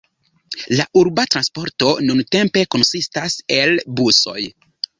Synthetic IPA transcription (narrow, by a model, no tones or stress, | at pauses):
laʔuɾbatɾanspo̞ɾto̞nunte̞mpe̞ko̞nsistase̞lbuso̞̰j